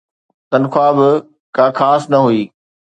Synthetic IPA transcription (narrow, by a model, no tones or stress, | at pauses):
t̪ɐnxʰwaːbɪ | kaːxaːsnɐɦuiː